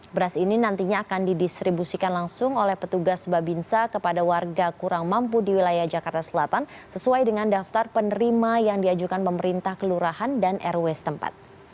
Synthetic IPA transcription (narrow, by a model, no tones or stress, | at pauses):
bəɾasininant̪iɲaːkandidist̪ɾibusikanlaŋsʊŋolɛhpət̪uɡasbabinsakəpadawarɡakuɾaŋmampudiwilajahd͡ʒakart̪asəlat̪ansəsuajdəŋandaft̪arpənəɾimajaŋdiad͡ʒukanpəməɾint̪ahkəluɾahandanʔɛrwɛst̪əmpa̰t̪̚